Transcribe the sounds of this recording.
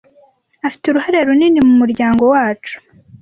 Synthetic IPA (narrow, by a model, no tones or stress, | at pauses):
afi̥teuɾuhaɾeɾuninimumuɾɟaːŋɡo̞waːt͡ʃu̥